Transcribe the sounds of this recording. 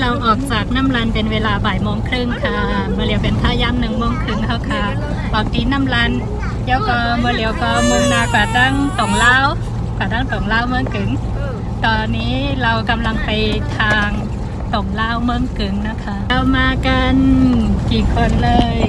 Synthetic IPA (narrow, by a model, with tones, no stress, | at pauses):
la˧wʔɔː˨˩k̚saː˨˩k̚na˧˥˨mla˧npe˧˨nweː˧laː˧baː˨˩jmoː˧˨ŋkʰɾɯ˧˩˨ŋkʰa˧ | mɯː˧˨li˨˦əwpe˨nkʰaː˧˩˨jaː˧˥˨mnɯ˨˧˩ŋmoː˧˥˨ŋkʰɯ˧˩ŋhʰa˧˩kʰa˧˩ | ʔɔː˨˩k̚t̪iː˨˦na˧˥˨mla˧n | lɛː˧˥wkɔː˧˩mɯː˧˨li˨˦ə˦wkɔː˧˩mɯ˧˥˨ŋnaː˧˩kaː˨˩t̪a˥˩˨ŋt̪o˨˩˦ŋlaː˧˥˩w | kaː˨˧˩t̪aː˥˨ŋt̪o˨˩ŋlaː˥˨wmɯ˧˥˨ŋkɯ˨˩˦ŋ | t̪ɔː˧nːiː˦˥la˧wka˧mla˧ŋpa˨jt̪ʰaː˧ŋ | t̪o˨˩ŋlaː˥˩˨wmɯː˧˥˨ŋkɯ˨˦ŋna˧˥˩kʰa˧˥˩wmaː˧˨ka˧nkiː˨˩kʰo˧nlɤː˧j